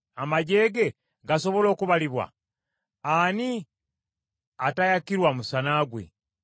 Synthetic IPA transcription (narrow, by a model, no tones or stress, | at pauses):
amaɟe̞ːɡe̞ | ɡaso̞βo̞lo̞ːkuβaliβwa̰ | ani | atajakiɾwamusanaːɡwḛ